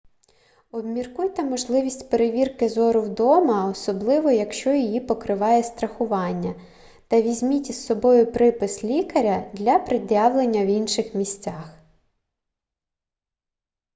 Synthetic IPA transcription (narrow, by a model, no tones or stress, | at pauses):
ɔbmʲirkujt̪ɪmɔʒlˠɪʋʲisʲtʲpeɾeʋʲirkɪzɔɾʊwd̪ɔmɐɔsɔblˠɪʋɔjɐkʃt͡ʃɔjijipɔkɾɪʋɑjɛst̪ɾɐxʊʋɑnʲːɐ | t̪ɐʋʲizʲmʲitʲisːɔbɔjʊpɾɪpɪslʲikɐɾʲɐd̪lʲɐpɾɪd̪ʲjɑwlˠenʲːɐwinʃɪxmʲisʲt͡sʲɑx